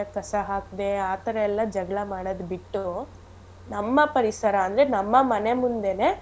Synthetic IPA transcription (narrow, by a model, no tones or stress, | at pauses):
ekɐsɐɦaːk̚d̪e̞aːt̪ɐɾɐɛlːɐd͡ʒɐɡɭɐmaːɽod̪biʈːu | nɐmːɐpɐɾisɐɾɐːnd̪ɐɾenɐmːɐmɐne̞mund̪e̞ne̞ː